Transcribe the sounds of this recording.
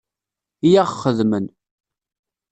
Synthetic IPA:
jaʁχəðmən

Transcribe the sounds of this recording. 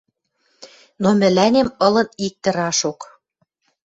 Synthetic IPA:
nomɘ̆lænʲemɤ̆lɤ̆nik̚t̪ə̆ɾɑʃok

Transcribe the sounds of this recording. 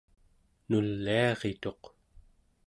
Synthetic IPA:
nulːiɑʁet̪o̞q

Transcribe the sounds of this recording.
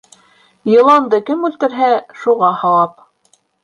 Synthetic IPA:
jɤ̆lˠɑnd̪ɤkɘmʉlt̪ɘ̆ɾɦæʃuʁɑhɑlˠɑp̚

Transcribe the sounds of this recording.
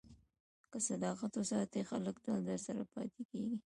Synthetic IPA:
kəsad̪ɑqat̪ʊsɑt̪exaləkd̪ald̪əɾsaɾapɑ̰t̪ekeɡi

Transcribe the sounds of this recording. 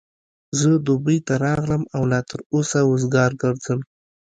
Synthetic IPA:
zəd̪obəjt̪aɾɑɣləmawlɑt̪əɾosaʊzɡɑɾɡəɾd͡zəm

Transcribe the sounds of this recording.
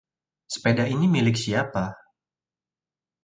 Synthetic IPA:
sə̥pedainimilɪk̚siapa

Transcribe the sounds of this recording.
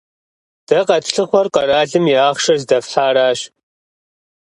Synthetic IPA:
d̥ɐqɐtʰɬɨχʷɔrqʼɐɾaːɮɨmiaːχʃɐzdɐfħaːɾaːʃ

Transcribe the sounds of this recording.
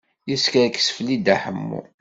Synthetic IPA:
jəskɾkːə̥sflid̪æħəmːṵ

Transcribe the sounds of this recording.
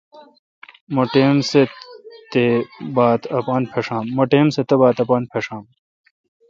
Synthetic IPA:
mɐʈeːmset̪ebaːt̪ɐpaːnpʰeʂaːmːɐʈeːmset̪ɐbaːt̪ɐpaːnpʰeʂãːm

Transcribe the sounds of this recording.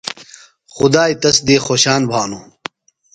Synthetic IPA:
xud̪aːit̪ɐsd̪eːxoːɕaːnbʱaːnu

